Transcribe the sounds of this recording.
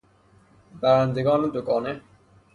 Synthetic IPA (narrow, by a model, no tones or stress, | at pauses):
bæɾænd̪eɡɒːned̪oɡɒːne